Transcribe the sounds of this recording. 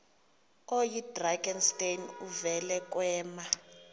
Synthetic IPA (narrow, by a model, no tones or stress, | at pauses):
ojidraɡɛnstenuvɛlɛk̬ʼwɛːma